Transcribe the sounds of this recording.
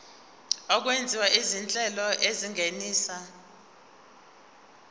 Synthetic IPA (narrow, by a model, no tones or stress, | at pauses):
ɔk̬wend͡zʱiwaʔizint͡ɬʼɛlɔʔeziŋeniːsa